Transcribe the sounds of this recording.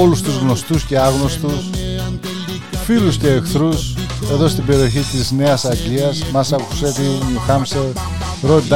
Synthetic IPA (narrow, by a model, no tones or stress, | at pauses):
olust̪uzɣno̞st̪usce̞ɐɣno̞st̪us | filusce̞ːkθɾus | e̞ðo̞st̪ibe̞ɾio̞çit̪izne̞ɐsɐkiɐsmɐsɐku̥set̪inixɐmse | ɾod̪